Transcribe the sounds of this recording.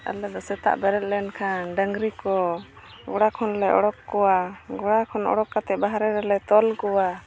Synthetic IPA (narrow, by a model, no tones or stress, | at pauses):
a̰lɛd̪ɔsɛt̪a̰ʔbɛɾɛt̪̚ˀlɛnkʰanɖəŋɡɾikɔ | ɡɔɽakʰɔnlɛɔ̰ɽɔkːɔwaɡɔɽakʰɔnɔ̰ɽɔkːat̪ɛbaɦɾɛɾɛlɛt̪ɔlkɔwa